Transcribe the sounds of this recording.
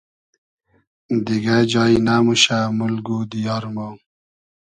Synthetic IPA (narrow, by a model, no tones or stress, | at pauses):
d̪iɡad͡ʑɑːinaːmuɕamulɡud̪ijɑːɾmo